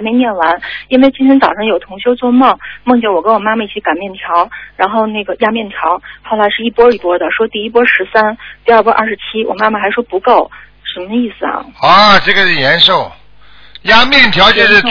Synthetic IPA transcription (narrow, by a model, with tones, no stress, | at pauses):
me˧ɪmjɛ˥˩nwa˧˥ni˥nwe˥˩ɪt͡ɕi˥nt̪ʰɛ˧˥nt͡sɑ˨˩ʊʂɤ˥˩ŋjo˨˩ʊt̪ʰʊ˧˥ŋɕjo˥ʊt͡swɔ˥˧mɤ˥˩ŋmɤ˥˩ŋt͡ɕ̬ʰjɛ˨˩wɔ˨˩kə˥nwɔ˨˩ma˥ma˨˧i˥˩t͡ɕʰi˧˥ka˨˩nmjɛ˥˩nt̪ʰjɑ˧˥ʊɻa˧˥nxo˥˧ʊne˥˩ɡə˩ja˥mjɛ˥˩nt̪ʰjɑ˧˥ʊxo˥˩ʊla˧˥ɪʂɻ̩˥˩i˥˩pwɔ˥y˨˩pwɔ˥d̪ə˨ʂwɔ˥t̪i˥˩i˥˩p̬wɔ˥ʂɻ̩˧˥sa˥nt̪i˥˧ɐ˞˥˧˩pwɔ˥ʔɐ̰˥˩ʂɻ̩˧˥t͡ɕʰi˥wɔ̰˨˩ma˥ma˨˩xa˧˥ɪʂwɔ˥pu˧˥ko˥˩ʊ | ʂə˧˥mə˧i˥˩sɹ̩˨˩ɐ̰˩ɔ˥˧ʈ͡ʂɤ˥˩ɡə˩ʂɻ̩˥˩jɛ˧˥nʂo˥˩ʊ | ja˥mjɛ˥˩nt̪ʰjɑ˧˥ʊt͡ɕʰɛ˧˥ʂɻ̩˥˩